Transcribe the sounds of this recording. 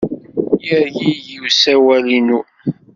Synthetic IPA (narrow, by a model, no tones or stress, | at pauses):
jəɾjijiwsæwælinu